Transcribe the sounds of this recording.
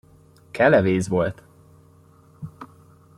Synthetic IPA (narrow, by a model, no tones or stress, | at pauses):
kʰɛlɛveːzʋo̞lt̪